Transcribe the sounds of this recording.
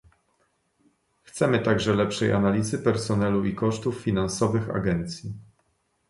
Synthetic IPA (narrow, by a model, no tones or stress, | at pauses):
xt̪sɛmɘt̪aɡʐɛlɛpʂɛjʔa̰nalʲizɘpɛɾsɔnɛluʔikɔʂt̪ufːʲinansɔvɘxa̰ɡɛnt̪sʲji